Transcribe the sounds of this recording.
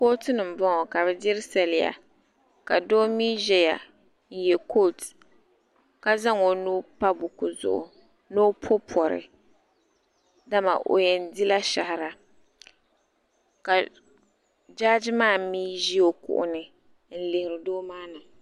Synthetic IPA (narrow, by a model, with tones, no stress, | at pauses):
ko˦ltɨ˦nɨ˨m̩˨bɔ˦ŋɔ˨ka˨bɛ˦dɪ˦ɾɪ˦sa˨lɪ˨ja̰˨ | ka˨doː˦mi˦ʒɛ˦ja̰˨ | n̩˨jɛ˨ko˦˨lt | ka˦za˦ŋo˨nu˦pa˦bʊ˨kʊ˨zʊ̰˨ʔʊ̰˨ | no˦pʰo˦pʰɔ˨ɾɪ̰˨ | da˦ma̰˨ʔo̰˨jɛ˨n˦di˦la˦ʃa˨hɪ˨ɾa˨ | ka˨ | d͡ʒa˦d͡ʒmaː˦˨miː˦ʒi˦o˦kʊ̰˨ʔʊ̰˦nɨ˨ | n̩˦lɪ˨hɪ˨ɾɪ˨doː˦maː˦na˨